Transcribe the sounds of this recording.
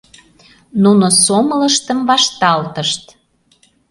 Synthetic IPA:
nunosomələʃt̪əmvɑʃt̪ɑlt̪əʃt̪

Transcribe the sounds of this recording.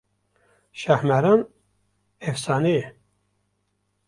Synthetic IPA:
ʃæhmæɾɑːn | efsɑːneje

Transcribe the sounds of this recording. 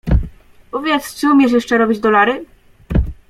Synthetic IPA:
uvʲjɛst͡ʂɘumʲjɛʂ̬jɛʂt͡ʂɛɾɔbʲid͡ʑd̪ɔlaɾɘ

